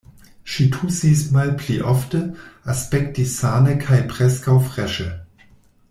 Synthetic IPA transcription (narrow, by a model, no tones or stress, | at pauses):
ʃitʰusiːsmalpʰliʔɔftəʔaspɛk̚t̚disaːnəkʰaɪpʁ̥ɛskaʊfʁ̥ɛʃə